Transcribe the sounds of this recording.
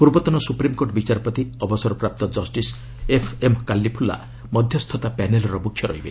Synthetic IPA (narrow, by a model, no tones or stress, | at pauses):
puɾbɔt̪ɔnɔsupɾimkoʈbit͡ʃaɾɔpɔt̪iɔbɔsɔɾɔpɾap̚t̪ɔd͡ʒɔsʈis | epʰemkalːipʰulːa̰ | mɔd̪ʱjɔst̪ʰɔt̪apɛnelɔɾɔbukʰjɔɾɔ̰ɦibḛ